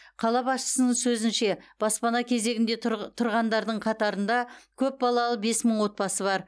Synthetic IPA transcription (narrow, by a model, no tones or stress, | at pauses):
qʰɑlˠɑbɑsʃə̥sənəɴsɵzɪnʃe̞b̥ɑspɑnɑkʲʰe̞ze̞ɡʲɪnd̪e̞t̪ʰʊɾʁɑnd̪ɑɾd̪əɴqʰɑt̪ɑɾənd̪ɑkʲʰɵp̚bɑlˠɑlˠəbe̞sməɴwo̞t̪̚pɑsəβɑɾ